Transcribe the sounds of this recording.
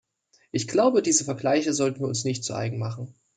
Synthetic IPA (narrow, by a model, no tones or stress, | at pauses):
ʔɪçɡ̥laʊbədiːzəfɛɐɡlaɪçəzɔltn̩viːɐʊnsnɪçt̚t͡sṵʔa̰ɪɡŋ̩maχn̩